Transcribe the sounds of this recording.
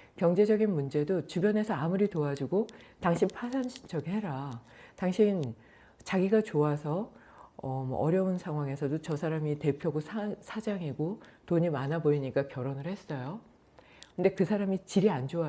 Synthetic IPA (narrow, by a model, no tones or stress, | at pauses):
kjʌŋd͡ʑe̞d͡ʑʌɡinmund͡ʑe̞dot͡ɕubjʌne̞sʰʌamuɾitoad͡ʑuɡotaŋɕʰipʰasʰansʰt͡ɕʰʌɡihe̞ɾa | taŋɕʰin | t͡ɕaɡiɡat͡ɕoasʰʌ | ʌmʌ̰ʔʌɾjʌunsʰaŋwaŋe̞sʰʌdot͡ɕʌsʰaɾamite̞pʰjoɡosʰasʰad͡ʑaŋiɡotoɲimanaboiɲik͈akjʌɾonɯɭhe̞s͈ʌjo | kɯnde̞kɯsʰaɾamit͡ɕiɾiand͡ʑoa